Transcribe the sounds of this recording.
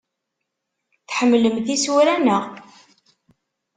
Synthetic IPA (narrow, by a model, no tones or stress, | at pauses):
θħəmːləmθiswɾænəʁ